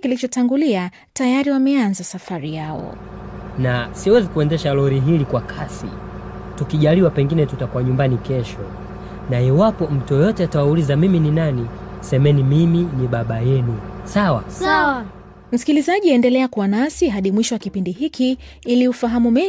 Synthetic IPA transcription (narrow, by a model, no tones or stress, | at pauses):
kilit͡ʃɔtaŋɡulia | tajaɾiwamɛanzasafaɾijaɔ̰ | nasiwɛzikuɛndɛʃalɔɾiɦilikwakʰasḭ | tukiʄaliwapɛŋɡinɛtutakuwaɲumbanikɛʃɔ | naiwapɔm̩tujɔjɔtɛatawaulizamimininani | sɛmɛnimiminiɓaɓajɛnisawaaw | m̩si̥kilizaʄiɛndɛlɛakuwanasiɦaɗimwiʃɔwakipindiɦiki | iliufaɦamumi